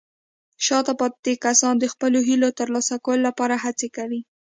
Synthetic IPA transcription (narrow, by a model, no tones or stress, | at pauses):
ʃɑt̪apɑd̪ekasɑnd̪əxpəloɦilot̪əɾlɑsakawəlolapɑɾaɦat͡sekawi